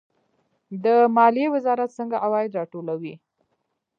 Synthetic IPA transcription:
d̪əmɑliewɪzɑɾat̪səŋɡaʔawɑjɪd̪ɾɑʈolawi

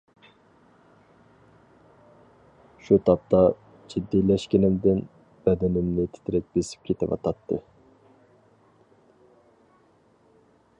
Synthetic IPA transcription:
ʃut̪ʰɑp̚t̪ʰɑ | d͡ʒid̪ːijlɛʃkʲinɪmd̪ɪn | b̥ɛd̪ɛnɪmnɪt̪ʰɪ̥t̪ʰɪɾɪp̚besɪ̥p̚kʲʰet̪ɪvɑ̰t̪ʰɑt̪ʰːɨ̰

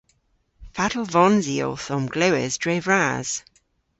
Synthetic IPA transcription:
fatəl̩ˠvɔnzio̰ːθɔmɡ̥ləʊɪ̰zdɹevɹaz̥

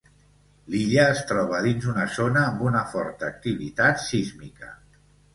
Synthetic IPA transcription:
liʎəːst̪ɾɔβəðinzunəzonəːmbunəfɔɾt̪əːk̚t̪iβḭt̪at̪sizmikə̰

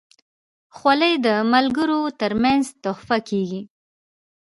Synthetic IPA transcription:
xwaləjd̪əmalɡəɾot̪əɾmanzt̪ʊhfakeɡi

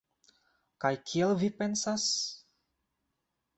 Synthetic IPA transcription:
kajkʰielvipe̞nsas

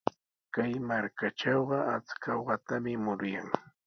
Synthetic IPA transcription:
kajmaɾkaʈ͡ʂɑwɢɑat͡skɑwɢɑt̪amɪmʊɾʊjaŋ

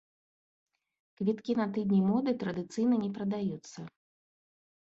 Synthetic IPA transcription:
kvʲit̪kʲinɐt̪ɨd̪ʲnʲimɔd̪ɨt̪ɾɐd̪ɨt̪sɨjnɐnʲɛpɾɐd̪ajut̪sːɐ

